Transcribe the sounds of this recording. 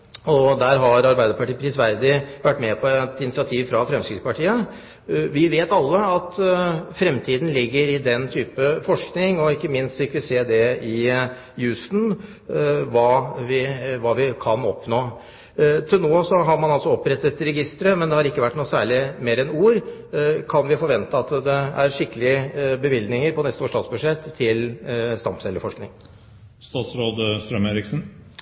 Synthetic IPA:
ɔd̪æːɾɦɑɾɑɾbæɪd̪əɾpʰɑʈiːpʰɾɪsʋæɾd̪ɪʋæʈːmɛpʰɔɛt̪ɪnɪsɪɑt̪ʰiːʋfɾɑfɾɛmskɾɪspɑʈʰiːə | ʋɪʋeːt̪ɑlːəɑt̪fɾɛmt̪ʰiːd̪n̩lɪɡːəɾɪd̪ɛnt̪ʰyːpəfɔʂknɪŋɔɪkːəmɪnst̪fɪkʋɪseːd̪ɛɪ | jʉːst̪n̩ | ʋɑːʋɪʋɑːʋɪkʰɑnɔ̰pnoː | t̪ʰɪlnoːsɔɦɑɾmɑnɑlsɔɔpːɾɛt̪ːət̪ɾɛɡɪst̪əɾəmɛnd̪ɛhɑɾɪkːəʋæʈːnuːsæːɭɪmeːɾɛnuːɾkʰɑnʋɪfɔɾʋɛnt̪əɑt̪d̪ɛæɾʂɪkːəlɪəbəʋɪld̪nɪŋəɾpʰɔnɛst̪əoːʂtɑːsbʉd̪ʂɛt̪ʰːɪlst̪ɑmpsɛlːəɾfɔʂknɪŋ | st̪ɑːt̪sɾoːd̪əst̪ɾœmeːɾɪksn̩

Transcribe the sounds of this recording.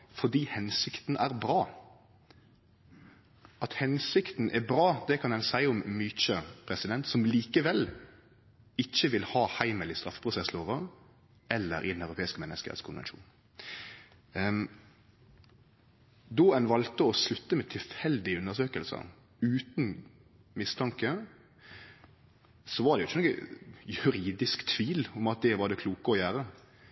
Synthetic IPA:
fɔd̪iːhɛnsɪkt̪n̩æɾbɾɑː | ɑt̪hɛnsɪkt̪n̩ʔɛbɾɑːd̪ɛkʰɑnɛnsæɪʊmːyːt͡ʃəpʰɾɛsɪd̪ɛnt̪sɔmliːkəʋɛl | ɪçːəʋɪlhɑːhæɪməlɪst̪ɾɑfə̥pʰɾʊsɛsloːʋəʁ | ɛlːə̰ɾʔɪ̰d̪nœʉɾʊpʰeːɪskəmɛnːəskə̰t̪skʰʊnʋɛ̰nʃṵːn | d̪ɔɛnʋɑlt̪əɔslʉt̪ːəmɛt̪ʰɪlfhɛld̪ɪʉnːəʁsøːkəlsə̰ | ʉːt̪n̩ | mɪst̪ʰɑŋkə | sɔʋɑɾd̪ɛjʊɪçːənɔɡə̰jʉɾiːd̪ɪskt̪ʰʋiːlɔmɑt̪̚d̪ɛʋɑd̪ɛkʰluːkəɔjæːɾə

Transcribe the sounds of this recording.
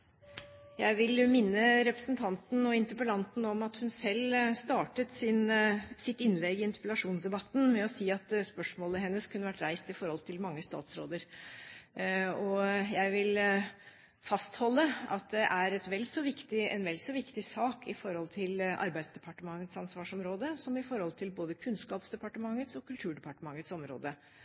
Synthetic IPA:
jæɪʋɪlmɪnːəɾɛpɾə̥snt̪ʰɑnt̪n̩ɔɪnt̪əpəlɑnt̪n̩ɔmɑt̪hʉnsɛlːst̪ɑːʈət̪sɪnsɪt̪ɪnlɛɡɪɪnt̪ɪpəlɑʂuːnsd̪ɛbɑt̪ːn̩mɛɔsiːɑt̪spœʂmoːləhɛnːəskʰʉnːəʋæʈɾæɪst̪ɪfɔɾhɔlt̪ʰɪlmɑŋːəst̪ɑ̰ːt̪sɾo̰ːd̪əɾ | ɔjæɪʋɪl | fɑst̪hɔlːəɑt̪̚d̪ɛʔæɾɛt̪ʋɛldsɔʋɪkt̪ɪɛnʋɛlsɔʋɪkt̪ɪsɑːkɪfɔɾhɔlt̪ʰɪlʔɑ̰ɾbæɪsd̪ɛpʰɑʈəmɑŋːət̪sɑnsʋɑːʂɔmɾoːd̪əsɔmɪfɔɾhɔlt̪ʰɪlboːd̪əkʰʉnskɑːpsd̪ɛpɑʈəmɑŋːət̪sɔkʰʉlt̪ʰʉːɖɛpɑʈəmɑŋːət̪sɔmɾo̰ːd̪ə

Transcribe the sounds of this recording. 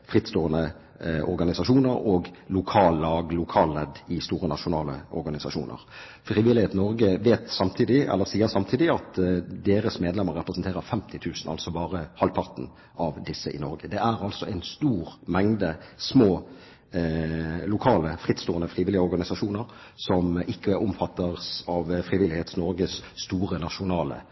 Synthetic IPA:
fʁɪt̪st̪oːənə | ʔɔ̰ɾɡɑnɪsɑʂuːnəɾɔːɡlʊkʰɑːlːɑːɡlʊkʰɑːlːɛd̪ːɪst̪uːɾənɑʃʊnɑːləɔɾɡɑnɪsɑʃṵːnʔə̰ʁ | fʁiːʋɪlɪheːt̪nɔɾɡəʋeːt̪sɑmt̪ʰiːd̪ɪɛ̰lːəɾsiːəɾsɑmt̪ʰiːd̪ɪɑt̪d̪eːɾəsmeːd̪lɛmːəɾːɛpɾəsn̩t̪eːʁəʁfɛmt̪ʰɪt̪ʰʉːsnɑ̰lsɔbɑːɾəhɑlpʰɑʁt̪n̩ | ɑʋd̪ɪsːəʔɪ̰nɔɾɡəd̪ɛæɾɑlsɔʔɛɪnst̪uːʁmɛŋd̪əsmoː | lʊkʰɑːləfʁɪt̪ːst̪uːənəfʁiːʋɪlɪəɔɾɡɑnɪsɑʂuːnəɾ | sɔmʔɪkːəæɾʊmfɑt̪ːəʁsɑʋfɾɪʋɪlːɪheːt̪snɔɾɡəsːt̪uːʁənɑʃʊnɑːlə̰

